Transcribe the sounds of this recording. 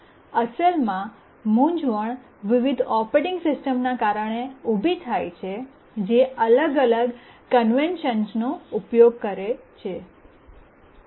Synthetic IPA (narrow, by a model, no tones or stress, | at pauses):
əsəlmã | mũɲd͡ʒʋəɳ | ʋiʋid̪ʱɔpeʈɪŋɡsɪsʈəmnakaɾəɳ̃eubʱit̪ʰajt͡ʃʰe | d͡ʒeələɡələɡkənʋenʃənsnoupjoɡ̚kəɾet͡ʃʰe